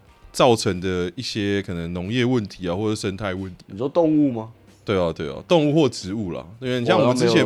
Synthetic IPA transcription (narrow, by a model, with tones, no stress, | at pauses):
t͡sɑ˥˩ʊʈ͡ʂʰə˦˥ŋd̪ə˨i˥˩ɕjɛ˦kʰɤ˨˩nə˨˦ŋno˨˦ŋjɛ˥˧wə˥˨nt̪ʰi˨˦a˨wɔ˥˩ʈ͡ʂɤ˨˩ʂə˦nt̪ʰa˥˧ɪwə˥˨nt̪ʰi̥˨˦˨ʂɔ˥˦t̪o˥˧ŋu˥˩ma˨˧ | t̪we˥˩ɪa˨˩t̪we˥˩ɪɐ̰˨˩t̪o˥˧ŋu˥˧xwɔ˥˩ʈ͡ʂɻ̩˨˧˦u˥˩la̰˨˩˥i˨˩ɕjɑ˥˨ŋɔ˨t͡sɻ̩˥t͡ɕʰjɛ˨˦